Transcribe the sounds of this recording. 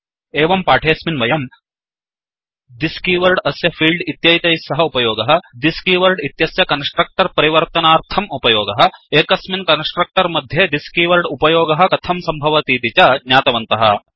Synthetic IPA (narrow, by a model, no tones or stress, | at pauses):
eːʋɐmpaːʈʰeːsminʋɐjɐm | d̪iskiːʋɐɾɖɐsjɐpʰiːlɖit̪jɐjt̪ɐjsɐɦɐupɐjoːɡɐɦɐ̆d̪iskiʋɐɾɖit̪jɐsjɐkɐnsʈɾɐk̚ʈɐɾpɐɾiʋɐɾt̪ɐnaːɾt̪ʰɐmupɐjoːɡɐɦɐ̆eːkɐsminkɐnsʈɾɐk̚ʈɐɾmɐd̪ʱjed̪iskiʋɐɾɖupɐjoːɡɐɦɐ̆kɐt̪ʰɐmsɐmbʱɐʋɐt̪iːt̪it͡ʃɐɡɲaːt̪ɐʋɐnt̪ɐɦɐ̰